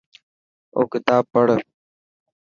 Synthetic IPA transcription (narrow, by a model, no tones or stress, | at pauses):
o̰ːkɪt̪aːb̚pəɽ